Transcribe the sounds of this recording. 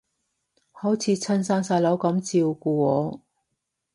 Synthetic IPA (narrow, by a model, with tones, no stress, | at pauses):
hɔː˨˥wt͡sʰiː˨˧t͡sʰɐ˥nsaː˥nsaː˧jlo˨˥wkɐ˨˧˥mt͡siː˧wkuː˧ɔː˨˧˦